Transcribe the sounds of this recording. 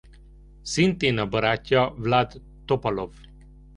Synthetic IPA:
sint̪eːnɒbɒɾaːcːɒvlad̪ː | opɒlof

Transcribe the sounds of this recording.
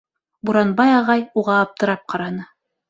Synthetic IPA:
buɾɑnbɑjɑʁɑjuʁɑːp̚t̪ɤ̆ɾɑp̚qʰɑɾɑnɤ

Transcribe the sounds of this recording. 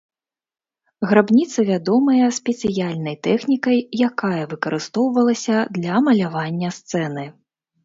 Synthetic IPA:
ɣɾabnʲit̪sɐvʲad̪ɔmɐjɐsʲpʲɛt̪sɨjalʲnɐjt̪ɛxnʲikɐjjakajɐvɨkɐɾɨst̪ɔwvɐlˠɐsʲɐd̪lʲɐmɐlʲavanʲːɐst̪sɛnɨ

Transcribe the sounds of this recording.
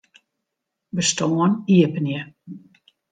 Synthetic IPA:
bəstoəniəpənjə

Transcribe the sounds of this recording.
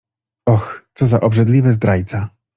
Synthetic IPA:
ɔxt̪sɔzaʔɔbʐɛd̪lʲivɛzd̪ɾajt̪sa

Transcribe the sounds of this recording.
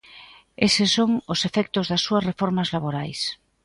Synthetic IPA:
esesːoŋosefɛk̚t̪ozðasːuɐsrefoɾmazlaβoɾajs

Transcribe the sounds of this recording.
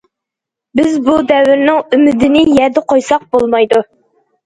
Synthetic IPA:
bɪzbud̪ɛwɪɾnɪŋymɪd̪ɪnɪjɛɾd̪ɪqʰojsɑq̚bolˠmɑjd̪u

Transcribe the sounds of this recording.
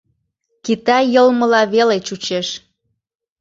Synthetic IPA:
kit̪ɑjəlmə̆lɑβelet͡ɕut͡ɕeʃ

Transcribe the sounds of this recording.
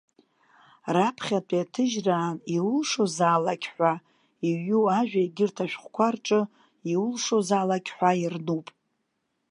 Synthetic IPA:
rapʰχʲatʼiatʰɨʒraːniwʊlʂozaːlakʲħʷᶣa | iuaʒᶣaiɡʲɪrtʰaʃᶣχʷkʷarʈ͡ʂʼɨ | iwulʂozaːlakʲħʷairnupʼ

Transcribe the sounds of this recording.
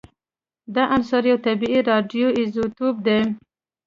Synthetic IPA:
d̪ɑʔansɑɾjawt̪abiiɾɑɖijoɪzot̪ob̚d̪e

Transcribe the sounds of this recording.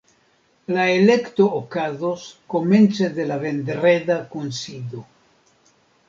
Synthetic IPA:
laelekt̪oːkazoskoment͡sed̪e̞lavend̪ɾedakunsid̪o

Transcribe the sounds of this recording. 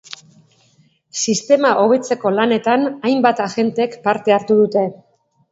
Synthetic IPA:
sist̪e̞maʔo̞β̞e̞t͡se̞ko̞lane̞t̪anajmbat̪aɣe̞nt̪ekpaɾt̪e̞aɾt̪uðut̪e̞

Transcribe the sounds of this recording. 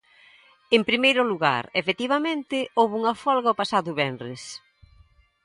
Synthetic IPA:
empɾimejɾʊluɣa̰ɾefet̪iβamẽnt̪ɪowβuŋɐfɔlɣaopasaðʊβɛnrɪs

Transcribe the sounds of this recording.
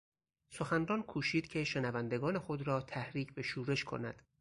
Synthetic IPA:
so̞xænrɒːnkʰuːʃiːd̪̥cʲʰe̞ʃe̞nævænd̪e̞ɡɒːne̞xo̞d̪ɾɒːt̪ʰæhɾiːcʰbe̞ʃuːɾe̞ʃkʰo̞̰næd̪̥

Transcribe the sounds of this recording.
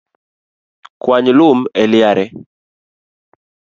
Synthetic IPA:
kwaɲlʊmɛlɪaɾɛ

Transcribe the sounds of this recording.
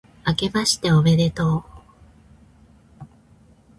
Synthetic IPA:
ake̞baɕi̥t̪e̞oβe̞ɾet̪oː

